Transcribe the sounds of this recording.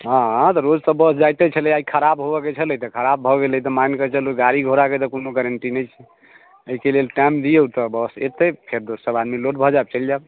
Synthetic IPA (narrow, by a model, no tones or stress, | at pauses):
ɦãɦãt̪ɔɾod͡ʒt̪əbəsd͡ʒajt̪et͡ʃʰəliaikʰəɾabɦobɔket͡ʃʰələjt̪ɔkʰəɾabʱɔɡeləit̪ɔmankət͡ʃəluɡaɾiɡʱoɾaket̪ɔkonoɡəɾəɳʈinɛjt͡ʃʰɛ | əikelelʈamd̪ijeut̪ɔbəset̪epʰeɾd̪ossəbad̪miloʈ̚bʱɔd͡ʒaeb̚t͡ʃəld͡ʒab